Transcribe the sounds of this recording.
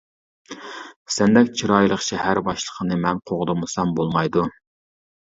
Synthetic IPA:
sɛnd̪ɛkʲt͡ʃʰiɾɑːjlˠəχʃɛhæɾbɑʃlˠə̥qʰənɨmɛnqʰoʁd̪ɨmɨsɑmbolˠmɑjd̪u

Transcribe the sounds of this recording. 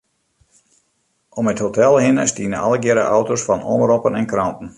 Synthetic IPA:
ʔɔməthotɛlˠhɪnəstiənəɔləɡɪɾə̰ʔawtosfɑnɔ̰nəɾɔpənɛnkrɔntən̩

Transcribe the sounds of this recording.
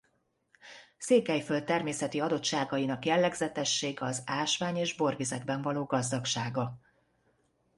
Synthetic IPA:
seːkɛjfølt̪ːɛrmeːsɛt̪iɒd̪o̞t̪ʃaːɡɒjinɒkjɛlːɛɡzɛt̪ɛʃːeːɡɒzaːʃʋaːɲeːʒbo̞rvizɛɡbɛɱvɒloːɡɒzd̪ɒkʃaːɡɒ

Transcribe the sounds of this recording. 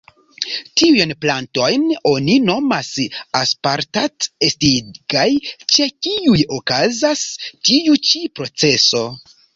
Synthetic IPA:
tiujnplanto̞jno̞nino̞masaspaɾtatestiɡ̥ajt͡ʃe̞kiujo̞kazastiut͡ʃipɾo̞t͡se̞so̞

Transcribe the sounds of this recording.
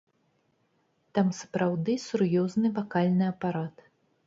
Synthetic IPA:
t̪amsɐ̥pɾawd̪ɨsurjɔznɨvakalʲnɨɐpaɾat̪

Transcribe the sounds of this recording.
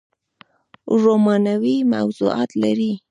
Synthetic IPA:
ɾomɑnawima̰wzṵɑ̰t̪laɾi

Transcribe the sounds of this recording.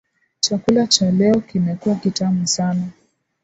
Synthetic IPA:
t͡ʃakulat͡ʃalɛɔkimɛkuwakitamusana

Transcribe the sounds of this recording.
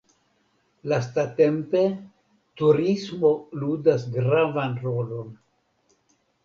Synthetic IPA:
lastate̞mpe̞ | tuɾismo̞ludasɡɾavanɾo̞lo̞n

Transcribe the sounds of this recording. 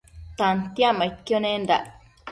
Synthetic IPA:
t̪ant̪jãmaikːjonẽnd̪a̰ʔ

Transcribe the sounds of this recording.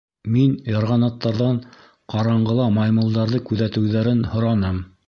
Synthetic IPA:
minjɑ̆ɾʁɑnɑt̪ːɑɾðɑɴ | qɑɾɑɴɢɤ̆lˠɑmɑjmɤ̆lˠd̪ɑɾðɤkʉðæt̪ɘ̆wðæɾɘnhŏɾɑnɤm

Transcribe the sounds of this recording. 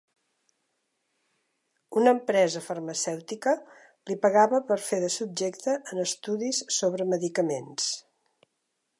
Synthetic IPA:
unəmpɾɛzəfərməsɛwt̪ikə | lipəɣaβəpəɾfeðəsub̚d͡ʒekt̪əʔːnəst̪uðisːoβɾəməðikəmens

